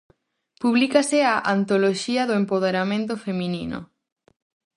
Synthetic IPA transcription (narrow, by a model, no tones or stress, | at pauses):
puβlikasɪaʔant̪oloʃiɐðoempoð̞eɾamẽnt̪̬ofemĩnino̰